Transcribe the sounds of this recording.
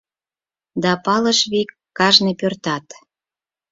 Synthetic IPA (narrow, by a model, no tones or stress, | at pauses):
d̪ɑpɑləʃβikːɑʒnepørt̪ɑt̪